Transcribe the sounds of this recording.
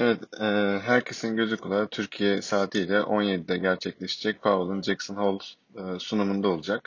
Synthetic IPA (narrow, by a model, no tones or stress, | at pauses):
evɛt̪ɛːɦæɾcʰesinɟø̞zykʰulˠaɾat̪ʰyɾcʰijɛsaːt̪ʰijlʲɛʔo̞njed̪id̪ɛɟæɾt͡ʃʰɛclʲeʃe̥d͡ʒɛc̚pʰavɯlˠɯnd͡ʒeksɯnholˠ | sunumund̪ao̞lˠud͡ʒak